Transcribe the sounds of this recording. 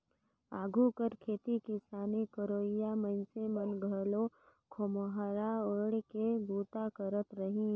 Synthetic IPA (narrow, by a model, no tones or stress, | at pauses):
a̰ːɡʱukəɾkʰeːt̪ikisaːnikəɾoːɪjamənsemənɡʱəlokʰoməɦəɾaoɽkeɡuːt̪akəɾət̪ɾəɦĩ